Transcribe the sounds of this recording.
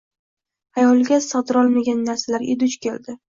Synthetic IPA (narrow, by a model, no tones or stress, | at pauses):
ajɒlˠɡʲasɒd̪ɾɒlˠmaɡʲanːaɾsalaɾɪ̰d̪ʊt͡ʃkʲʰeld̪ɪ